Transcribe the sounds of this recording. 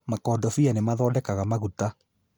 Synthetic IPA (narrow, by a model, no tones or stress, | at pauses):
makɔːdɔfianemaðɔːdɛkaɣamaɣuta